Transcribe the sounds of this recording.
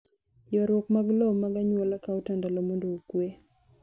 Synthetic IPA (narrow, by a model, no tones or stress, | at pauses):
jɔɾwɔkmaɡlomaɡaɲwɔlakaotandalomondookwe